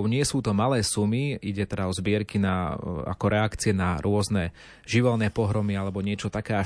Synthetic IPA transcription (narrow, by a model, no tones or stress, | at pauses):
ɲɪɛsuːt̪ɔmalɛːsumiiɟɛt̪ɛd̪aɔzbɪɛɾkinaa̰kɔɾʔɛakt͡siɛnaɾʊɔznɛ | ʒiʋɛlnɛːpɔɦɾɔmialɛbɔɲɪɛt͡ʃɔt̪akɛːa